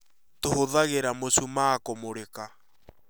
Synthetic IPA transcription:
tohoðaɣeɾamosumakomoɾeka

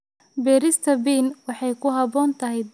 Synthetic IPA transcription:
bɛːɾɪst̪ʰɐbiːnwɑħɑjkʰʊɦɐβɔːnt̪ʰɐɦɛj̪

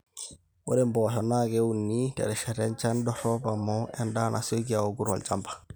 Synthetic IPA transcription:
wɔ̰ɾɛmbɔɦɔnaɡɛunːitɛ̰ɾɛʃɛɾɛɲt͡ʃandɔɾɔbamɔɛndanʔa̰soɡiaoɡuɾɔ̰lt͡ʃampḁ

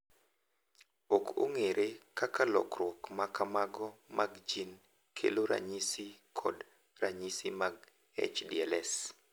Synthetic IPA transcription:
oko̰ŋeɾʔekakalɔ̰krwɔkmakamaɡɔmaɡd͡ʒin | kʰḛloɾa̰ɲisikʰɔ̰d | raɲisimaɡ | ɛ̰t͡ʃdiɛlɛs

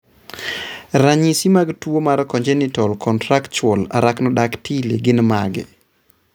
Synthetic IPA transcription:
ɾaɲisimaɡtuomaɾkɔnd͡ʒɛnitɔlkʰɔntɾakt͡ʃɔla̰ɾaknɔɗaktʰileɡɪnmaɡɛ̰

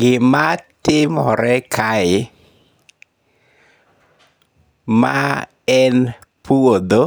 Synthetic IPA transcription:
ɡɪmatɪmɔɾɛkʰaɪ | ma̰ | ɛn | puod̪o

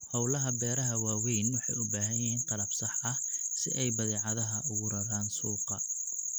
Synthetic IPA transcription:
hɔwlɐɦɐbɛːɾɐɦɐwaːwɛjnwɑħɑ̰jʊbaːɦɐjɛɪnqɑlɐbsɑħɐsɪʔɛjbɐðɛːʕɑðɐɦɐʔʊɣʊɾɐðaːnsuːqɑ

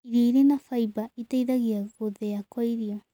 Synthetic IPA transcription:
iɾiːɾenafajbait̪ejðaɡiaɡoðeakajɾio

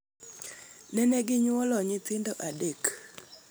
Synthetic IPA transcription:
nɛnɛɡɪɲwɔlɔɲɪt̪ɪndɔʔadek

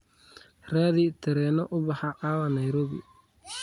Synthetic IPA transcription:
raːðit̪ʰɐɾɛːnɔʔʊbɑħɑʕɑːwɐnɐjɾɔːβɪ̰

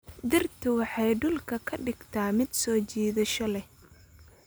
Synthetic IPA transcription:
d̪ɪrt̪ʰʊwɑħɑjɖʊlkʰɐkʰɐɖɪɡt̪ʰaːmɪd̪sɔːt͡ʃiːðɐʃɐlɛ

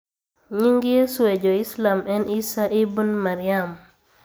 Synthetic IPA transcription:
ɲiŋɡijesuwɛd͡ʒɔislamɛnʔisaʔibunmaɾijam

